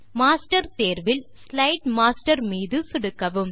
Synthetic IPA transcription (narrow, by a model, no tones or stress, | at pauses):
maːsʈɐɾt̪eːɾʋɪl | slɐɪʈmaːsʈɐɾmiːðɯsɪɽɯkːɐʋɯm